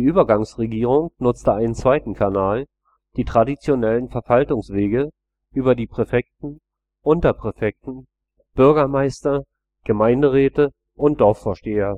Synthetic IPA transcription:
diːʔyːbɐɡaŋsʁeɡiːʁ̞ʊŋnʊt͡stəaɪnənt͡sv̥aɪtn̩kʰanaːl | d̥iːtʁ̥adit͡sjonɛlənfɛɐvaltʊŋsv̥eːɡə | ʔyːbɐdiːpʁ̥ɛfɛk̚tn̩ | ʔʊntɐpʁ̥ɛfɛk̚tn̩ | b̥ʏɐɡɐmaɪstɐ | ɡ̥əmaɪndəʁɛːtə | ʔʊnt̚d̥ɔɐfoːɐʃteːɐ

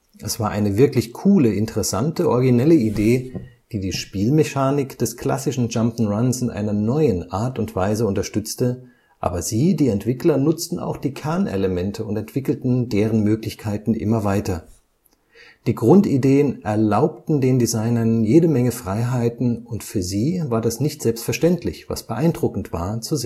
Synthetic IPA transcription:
ʔɛsv̥aːɐʔaɪnəvɪɐklɪçkʰuːləɪntəʁɛsa̰ntəʔɔɐɡinɛləideː | d̥iːdiːʃpiːlmɛçaːnɪkd̥ɛskl̥a̰sɪʃn̩d͡ʒampn̩ʁansɪnʔa̰ɪnɐnɔʏənʔa̰ːɐtʊntv̥aɪzəʊntɐʃtʏt͡stə | ʔa̰ːbɐziːdiːɛntv̥ɪklɐnʊt͡stn̩a̰ʊxd̥iːkʰɛɐnḛləmɛntʰəʊntɛntv̥ɪkl̩tn̩deːʁənmøːklɪçkʰaɪtn̩ʔɪ̰mɐvaɪtɐ | d̥iːɡʁʊntideːənʔɛɐlaʊp̚tn̩deːndizaɪnɐnjeːdəmɛŋəfʁ̥aɪɦaɪtn̩ʊntfyːɐziːvaːɐdasnɪçtz̥ɛlpstfɛɐʃtɛntʰlɪçv̥a̰sb̥əʔaɪndʁʊkn̩tv̥a̰ːɐt͡suze

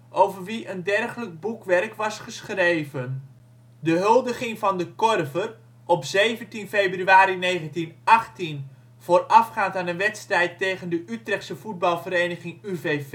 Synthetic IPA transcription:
ʔowvərʋiʔəndɛrχələɡ̚bukʋɛrkʋɑsχəsχrejvən | dəɦɵlˠdəχɪŋvɑndəkɔrvər | ʔɔpzejvəntinfejbryaːɾinejχəntinɑχtin | v̥oːrɑfχaːntaːnənʋɛtstrɛjtːejχəndəʔytrɛχtsəv̥ud̚bɑlˠvəɾejnəχɪŋyvev

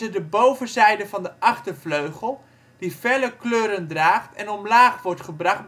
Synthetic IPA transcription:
ədəbowvənzɛjdəvɑndəʔɑχtəvløɥχəlˠ | d̥ifɛləkløːɾəndraːχtɛnɔmlaːχʋɔɹtχəbrɑχ

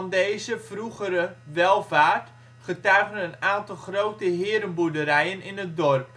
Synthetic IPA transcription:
ndeːzəfruɣəɾəʋɛlˠvaːrt | χətœɥɣənənaːntɑlˠxrowtəɦɪːɾənbudəɾɛjənɪnət̚dɔrp

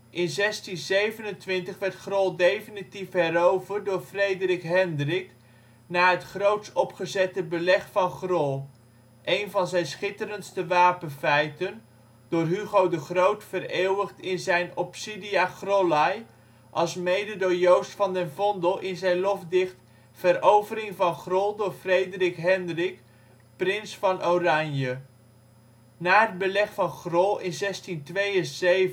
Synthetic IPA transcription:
ʔɪnzɛstinzejvənəntʋɪntəχʋɛɹtχrɔlˠdejfinitifɦɛɾowvərt̚dʊːɹfrejdərɪkɦɛndrɪk | naːɦətχrowtsɔpχəzɛtəbəlɛχfɑnχrɔlˠ | ʔejnvɑnzɛjnsχɪtəɾənstəʋaːpənfɛjtən | d̥ʊːrɦyχowdəχrowtfəreːwəχtɪnzɛjnɔpsidiaχrolɑj | ʔɑlˠsmejdədojowstfɑndɛnvɔndəlˠʔɪnzɛjnlɔfdɪχt | fəɾowvəɾɪŋvɑnχrɔlˠdʊːɹfrejdərɪkɦɛndrɪk | prɪnsfɑnʔowrɑɲjə | naːɦəd̚bəlɛχfɑnχrɔlˠɪnzɛstintʋejəzej

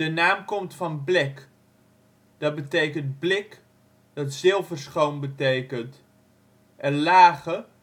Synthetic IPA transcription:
ənaːmkɔmtfɑnblɪk | d̥ɑd̚bətejkənt̚blɪk | d̥ɑtsɪlˠvərsχownbətejkənt | ʔɛlaːχə

